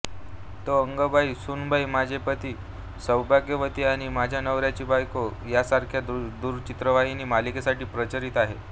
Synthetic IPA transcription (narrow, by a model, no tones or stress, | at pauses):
t̪oəŋɡəbʱaisunbʱaimad͡ʑʱepət̪iː | səwbʱaɡeʋət̪iːaɽ̃imad͡ʑʱjanəʋɾjat͡ɕiːbajkojasaɾkʰjad̪d̪uɾt͡ɕit̪ɾəʋaɦiniːmalikesaʈiːpɾət͡ɕəɾiːt̪aɦḛ